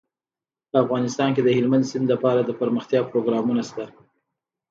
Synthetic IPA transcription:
pəafɣɑnɪst̪ɑnked̪əhɪlmand̪sɪnd̪lapɑɾad̪əpəɾməxt̪jɑpɾoɡɾɑmunast̪a

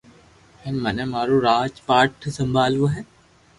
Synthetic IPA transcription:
hɛnmɐnɛmaːɾoɾaːd͡ʒpaːʈʰsɐ̃mbʱaːlʋoɦɛː

